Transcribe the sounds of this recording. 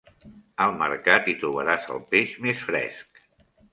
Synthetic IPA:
əlˠmə̰ɾkat̪it̪ɾuβ̞əɾazə̰lˠpeʃmesfɾɛ̰sk

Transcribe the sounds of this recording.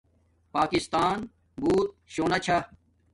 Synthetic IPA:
paːkɪst̪aːn | buːt̪̚ɕoːnat͡ɕʰa

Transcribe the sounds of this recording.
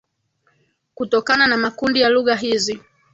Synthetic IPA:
kutɔkananamakundijaluɣaɦizi

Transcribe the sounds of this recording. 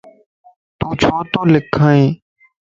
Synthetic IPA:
t̪uːt͡ʃʰoːt̪oːlɪkʰːaːẽː

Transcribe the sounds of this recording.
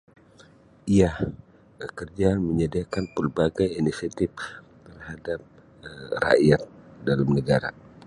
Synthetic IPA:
iah | kərd͡ʒaməɲədiakanpəlbaɡajinisiat̪ɪf | t̪ərhadap̚ | ra̰jat̪̚dalamnəɡaɾa̰

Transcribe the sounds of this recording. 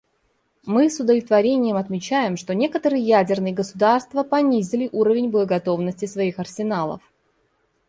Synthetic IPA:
mɨsʊd̪əvlʲɪt̪vɐɾʲenʲɪjəmɐt̪mʲɪt͡ɕæjɪmʂt̪o̞nʲe̞kət̪əɾɨjəjædʲɪrnɨjəɡəsʊd̪arst̪vəpɐnʲizʲɪlʲɪʔuɾəvʲɪnʲbəəɡɐt̪o̞vnəsʲtʲɪsvɐixɐrsʲɪnalˠə̰f

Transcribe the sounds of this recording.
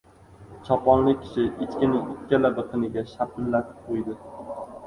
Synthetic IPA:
t͡ʃʰɒpʰɒnlɪkʲʰɪ̥ʃɪʔet̪kʲɪnɪŋɪkʲːalabɪqʰɨnɪɡʲaʃapʰɪlːat̪ʰɪ̥p̚qʰojd̪ɪ

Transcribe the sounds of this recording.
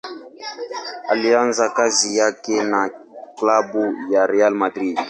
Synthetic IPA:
alianzakazijakɛnaklabujaɾealmadɾiɡ

